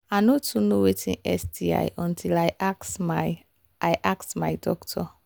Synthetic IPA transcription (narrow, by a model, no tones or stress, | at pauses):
anotʰunowetʰĩnɛ̰sdia̰jʔɔ̃ntʰilajaksm | ajʔaksmajdɔktʰɔ